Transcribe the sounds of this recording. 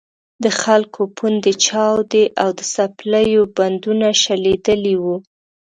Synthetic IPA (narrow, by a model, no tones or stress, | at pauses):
d̪əxalkʰopʰund̪et͡ʃɑwd̪eʔawd̪əsapləjoband̪unaʃaled̪əliwu